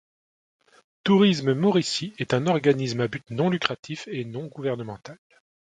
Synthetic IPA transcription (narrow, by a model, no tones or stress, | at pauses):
t̪uʁisməmɔʁisiɛt̪ɛ̃nɔʁɡanismabyt̪nɔ̃lykχat̪ʰifenɔ̃ɡuvɛʁnəmɑ̃t̪al